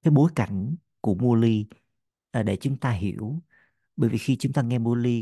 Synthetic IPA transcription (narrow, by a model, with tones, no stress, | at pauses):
kaː˨˦jɓo˨˦jka˧˩jŋ̟ | ku˧˩əmu˧əli˧ | ʔːɗe˧˩t͡ɕʊ˨˦ŋ͡mt̪aː˧ɦḭ˧˩˨əw | ɓəː˧˩jvi˨˩xi˧t͡ɕʊ˨˦ŋ͡mt̪aː˧ŋɛ˧mu˧əli˧